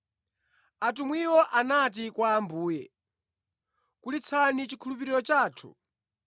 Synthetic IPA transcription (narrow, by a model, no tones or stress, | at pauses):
at̬umwiwɔʔanat̬ikwaːmbuːjɛ̰ | kulit͡sʰanit͡ʃikʰulup̬iɾiɾɔt͡ʃaːtʰu̥̰